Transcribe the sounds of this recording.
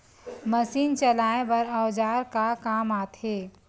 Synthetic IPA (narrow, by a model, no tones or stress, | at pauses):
məsiːnt͡ʃəlaːebɐɾəwd͡ʒaːɾkakaːmaːt̪ʰheː